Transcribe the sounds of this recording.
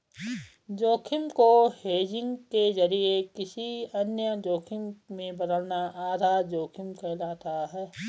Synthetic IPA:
d͡ʒoːkʰɪmkoheːd͡ʒɪ̃ŋɡkezəɾiekɪsiɐnjəd͡ʒoːkʰɪmmẽbəd̪əlnaʔaːd̪ʱaːɾd͡ʒoːkʰɪmkelaːt̪aɦɛː

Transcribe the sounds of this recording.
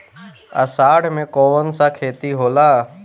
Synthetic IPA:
ə̰saːɽmẽkoːʋənsakʰeːt̪iɦoːlaː

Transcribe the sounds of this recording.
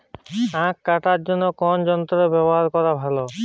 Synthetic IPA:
ãkːaʈatd͡ʒɔnːɔkɔnd͡ʒɔnt̪ɾɔɾɔbɛbɔɦaɾkɔɾabʱalɔ

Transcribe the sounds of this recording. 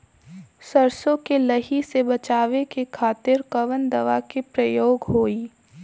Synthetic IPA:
səɾsõkelɐɦisebɐt͡ʃaːʋekekʰaːt̪ɪɾkɐʋənd̪ɐʋakepɾɐjoːɡɦoːiː

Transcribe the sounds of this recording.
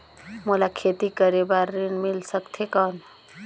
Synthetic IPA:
molakʰet̪ikəɾebaɾːinmilsəkt̪ʰekən

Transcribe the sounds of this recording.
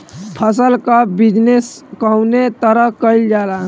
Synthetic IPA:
pʰəsəlkabid͡ʒneskəwnet̪əɾəkəild͡ʒala

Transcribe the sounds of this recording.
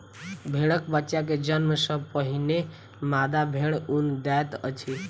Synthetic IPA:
bʱeɽəkbətːʃaked͡ʒənməsəpəɦine | mad̪abʱeɽund̪ɛt̪ə̰t͡ʃʰi

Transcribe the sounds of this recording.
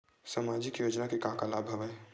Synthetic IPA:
samaːd͡ʒɪkjoːd͡ʒnakekãɦkalaːbʱɐʋəe

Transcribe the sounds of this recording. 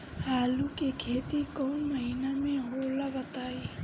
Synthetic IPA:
ɦaːlukekʰeːt̪ikɔːnməɦinamẽɦolabət̪aːi

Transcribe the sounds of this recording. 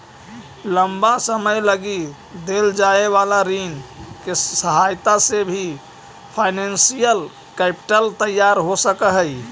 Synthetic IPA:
ləmbasəməjləɡi | d̪eld͡ʒaeʋalaɾinkesəɦajt̪asebʱi | pʰaɪnensijəl | kɛpi̥ʈəlt̪əjːaɾɦosəkəɦəj

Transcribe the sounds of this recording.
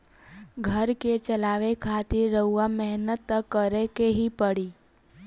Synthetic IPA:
ɡʱəɾket͡ʃəlaːʋekʰaːt̪ɪɾːəɦuwamɛɦnət̪ːəkːəɾekeɦipəɽiː

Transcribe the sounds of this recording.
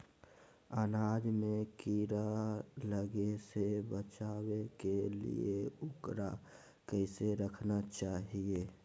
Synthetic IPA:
ənaːd͡ʒmẽkiɾaləɡesebət͡ʃaːwekelḭeʊkɾa | kəɪseɾəkʰnat͡ʃaːɦieː

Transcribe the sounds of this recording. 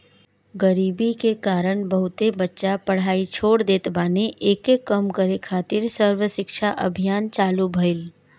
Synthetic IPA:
ɡəɾiːbikekaːɾəɳ̃bəɦʊt̪ebətːʃapəɽ̤aːit͡ʃʰoːɽd̪eːt̪baːneʔeːkekəmkəɾekʰaːt̪ɪɾsəɾwəʃɪkʃʰaʔə̰bʱijaːnt͡ʃaːlubʱəɪl

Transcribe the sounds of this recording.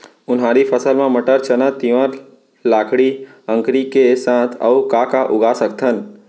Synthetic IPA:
ʊnɦãɾipʰəsəlmãməʈəɾt͡ʃənət̪iʋə̃ɾ | laːkʰɽi | ə̃ŋkɾikesãt̪ʰə̰ukakaʔʊɡasək̚t̪ʰən

